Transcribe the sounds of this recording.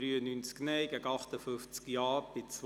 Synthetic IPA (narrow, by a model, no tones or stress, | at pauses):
ɾyːənynt͡sknɛɪɡæɡəɑχt̪əfʏft͡skjɑːb̥ɪt͡s